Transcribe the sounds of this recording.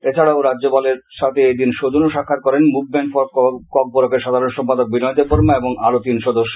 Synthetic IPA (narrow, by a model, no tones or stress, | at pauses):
et͡ɕʰaɽaoɾadːd͡ʑopaleɾʃat̪ʰeed̪inʃod̪onoʃakʰːat̪̚kɔɾenmuk̚bɛŋkfɔkɔk̚boɾokeɾʃad̪ʱaɾonʃɔmpad̪ok̚binɔjt̪epoɾmaeboŋalot̪inʃɔd̪oʃːo̥